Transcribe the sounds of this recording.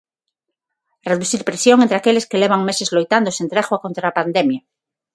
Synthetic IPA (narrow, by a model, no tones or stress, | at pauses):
reðuθiɾpɾesjoŋẽnt̪ɾeakeleskeleβ̞aŋmesezlojt̪and̪osent̪ɾexwakont̪ɾaːpand̪emja